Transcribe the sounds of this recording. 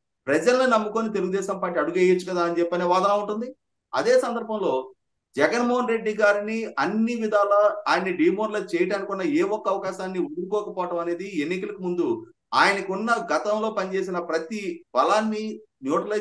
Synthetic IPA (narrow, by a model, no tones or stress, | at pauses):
pɾɐd͡ʒɐlɐninɐmːukoːnit̪eluɡud̪ɛːʃɐmpaːɾʈ̬ːiɐɽuɡeːjɐt͡ʃːukɐd̪aːɐnit͡ʃɛpːɐneːʋaːd̪ɐnaːuɳʈund̪i | ɐ̰d̪e̞ːsɐnd̪ɐɾbʱɐmlo̞ː | d͡ʒɛɡɐnmɔːɦɐnɾe̞ɖːiɡaːɾiniɐnːiʋid̪ʱaːlɐaːjɐniɖiːmoɾlɐt͡ʃɛːjɐʈaːnikunːɐeːɔkːɐɐʋɐkaːʃaːnːiud̪uɾukɔːkɐpɔːɐʈɐmɐne̞ːd̪ienːikɐlɐkumund̪u | aːjɐnɐkunːɐɡɐt̪ɐmlo̞ːpɐnit͡ʃe̞ːs̬inɐpɾɐt̪ibɐlaːnːi | njoːʈɐlɐ